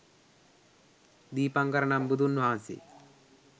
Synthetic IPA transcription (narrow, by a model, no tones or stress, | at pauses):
d̪iːpɐŋkɐɾɐɳɐmbud̪unːuaːnsḭ